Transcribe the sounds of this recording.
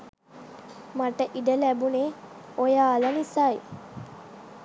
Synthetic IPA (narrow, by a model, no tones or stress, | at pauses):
maʈəʔiɖəlɛbune | ojalanisaj